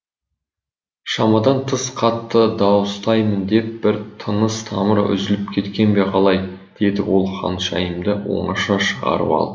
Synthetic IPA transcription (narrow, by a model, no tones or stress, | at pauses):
ʃɑmɑd̪ɑnt̪ʰəsqʰɑt̪ʰːəd̪ɑwəst̪ɑjmənd̪e̞p̚b̥ɪɾt̪ʰənəst̪ʰɑ̰məɾʏ̰zɪlɪpkʲʰe̞t̪kʲe̞nbe̞qʰɑlˠɑj | d̪̥e̞d̪ɪwo̞lˠχɑ̰nʃɑjəmd̪əwo̞̰ɴɑʃɑʃəʁɑ̰ɾə̰pɑ̰lˠd̪ə